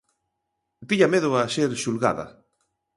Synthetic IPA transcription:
d̪iʎameðʊaseɾʃulɣa̰ða̰

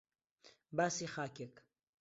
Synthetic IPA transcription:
basixaːkek

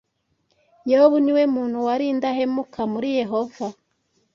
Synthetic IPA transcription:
jehoβuniwemuːn̥huwaɾiːndahe̞mukʰamuɾije̞ɦo̞va

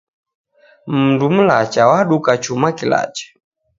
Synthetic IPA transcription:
m̩ndum̩lat͡ʃawaɗukat͡ʃumakila̰t͡ʃɛ̥

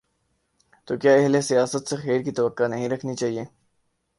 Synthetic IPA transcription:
t̪oːkjaːɛɦlesijaːsət̪sexeːɾkit̪ɐʋəkːanɐɦĩɾɐkʰnit͡ʃaːɦieː

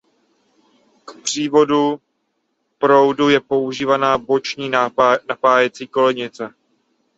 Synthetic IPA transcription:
kpr̝̥iːvo̞du | pɾo̞wdujɛpo̞uʒiːvanaːbo̞t͡ʃɲiːnapaːjɛt͡siːko̞lɛɲɪt͡sɛ

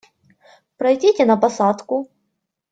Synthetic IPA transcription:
pɾɐjdʲetʲɛnɐpɐsat̪kʊ

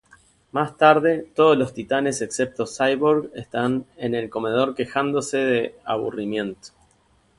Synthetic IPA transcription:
mast̪aɾðe̞t̪o̞ð̞oslo̞st̪it̪ane̞se̞ksep̚t̪o̞sajβoɾɣest̪ane̞ne̞lko̞me̞ð̞o̞ɾke̞xand̪o̞se̞ðea̰β̞ṵrimje̞nt̪o̥

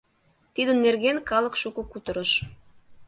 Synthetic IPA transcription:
t̪id̪ənːerɣenkɑlə̆kʃukokut̪ə̆ɾəʃ

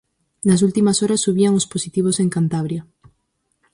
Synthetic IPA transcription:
nɐs̬ult̪imasoɾɐsːuβiaŋosposit̪iβ̞oseŋkant̪aβ̞ɾja

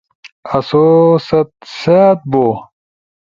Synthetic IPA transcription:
ɐsosɐt̪̚set̪̚boː

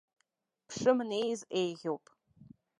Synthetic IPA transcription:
pʰʂɨmnejzejʁʲowpʼ

